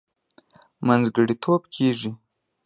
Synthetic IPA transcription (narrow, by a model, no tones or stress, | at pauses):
manzɡəɽit̪ʰobkʰeʐi